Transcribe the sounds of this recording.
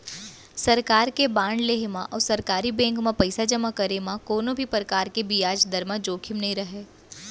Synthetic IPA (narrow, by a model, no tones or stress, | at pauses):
sɐɾkaːɾkebãːɳɖleːɦmãʔɔːɾsɐɾkaːɾibɛ̃ːŋkmãpɐɪsad͡ʒɐmakɐɾemãkoːnõbʱipɾɐkaːɾkebijaːd͡ʒd̪ɐɾmãd͡ʒoːkʰɪmnɐɦĩɾɐɦeː